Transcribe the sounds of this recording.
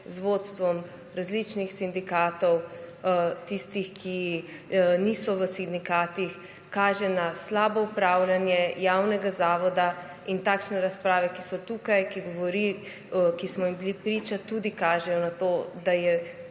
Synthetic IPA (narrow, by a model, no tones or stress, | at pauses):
zʋot̪st̪ʋɔm | ɾazlit͡ʃnixsind̪ikaːt̪ɔw | t̪ist̪ixkʰi | niːsɔʋəsind̪ikaːt̪ix | kaːʒɛnaslaːbɔupɾaːwlʲanjɛjaːwnɛɡazaːʋɔd̪a | int̪aːkʃnɛɾaspɾaːʋɛkisɔt̪uːkajkiɡɔʋɔɾi | kismɔjimbilipɾiːt͡ʃat̪ud̪ikaːʒɛjɔnat̪oːd̪ajɛ